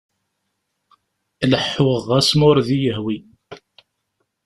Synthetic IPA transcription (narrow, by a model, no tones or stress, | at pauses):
ləħːʊʁːæsmʊɾðijəɦwi